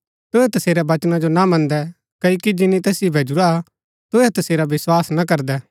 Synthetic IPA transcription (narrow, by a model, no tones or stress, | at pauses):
t̪oɛt̪ɐseːɾɛbɐt͡ʃnad͡ʒonamɐ̃nd̪ɛ | kɐoːkid͡ʒɪnĩt̪ɛːsibʱeːd͡ʒuɾa | t̪oɛt̪ɐseːɾabɪswaːsnak̬ɐɾd̪ɛː